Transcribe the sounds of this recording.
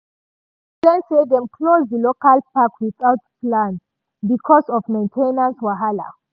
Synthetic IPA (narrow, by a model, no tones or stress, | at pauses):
sɛ̃nsed̪ɛ̃mkʰlozdəlokalpakwiθawtplãn | bikʰɔsɔfmẽɪ̃ntʰẽnãnswaɦala̰